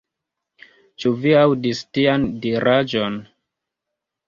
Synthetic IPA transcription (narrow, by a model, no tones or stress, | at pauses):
t͡ʃuviawdistiandiɾad͡ʒon